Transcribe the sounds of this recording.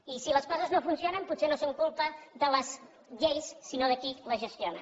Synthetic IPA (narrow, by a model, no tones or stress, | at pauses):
isiləskɔzəznofunsionəmput̪senosoŋkulˠpəðələz | ʎejsːinoðəkiləʒəst̪jonə